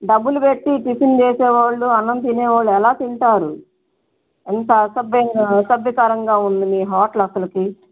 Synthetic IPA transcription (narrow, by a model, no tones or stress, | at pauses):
ɖɐbːulupeʈːiʈisint͡ʃeːsɛːʋaːɭːuɐnːɐnt̪ineːʋaːɭːuɛlaːt̪iɳʈaːɾu | ɛnt̪ɐsɐbɐŋsɐbikaːɾɐŋɡaːund̪imiːɦaːʈlɐsɐlɐki